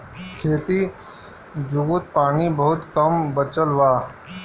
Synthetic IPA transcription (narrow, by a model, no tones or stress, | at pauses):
kʰeːt̪i | d͡ʒuɡʊt̪̚paːnibɐɦʊt̪kəmbət͡ʃəlʋaː